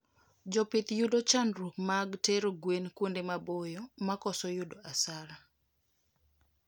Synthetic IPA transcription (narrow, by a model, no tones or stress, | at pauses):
d͡ʒɔpɪt̪judot͡ʃanɾumaɡteɾoɡwenkwondemabojɔmakɔsɔjʊdoʔasaɾa